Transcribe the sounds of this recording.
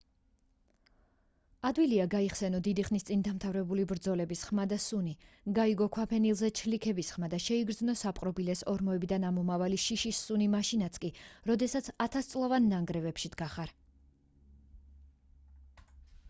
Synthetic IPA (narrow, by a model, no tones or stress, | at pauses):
ad̪wiliaɡaiχsɛnɔd̪id̪iχnist̪sʼind̪amt̪ʰavɾɛbulibɾd̪zɔlɛbisχmad̪asuni | ɡaiɡɔkʰwapʰɛnilˠzɛt͡ʃʰlikʰɛbisχmad̪aʃɛiɡɾd̪znɔsapʼqʼɾɔbilɛsɔɾmɔɛbid̪anamɔmavaliʃiʃisːunimaʃinat̪sʰkʼiɾɔd̪ɛsat̪sʰat̪ʰast̪sʼlˠavanːaŋɡɾɛvɛpʃid̪ɡ̥aχaɾ